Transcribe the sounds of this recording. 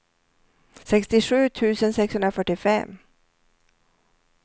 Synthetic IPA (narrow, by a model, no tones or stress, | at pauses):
sɛkst̪ɪɧʉ̟ːt̪ʰʉ̟ːsənsɛkshɵnɾafœʈːɪfɛ̰mː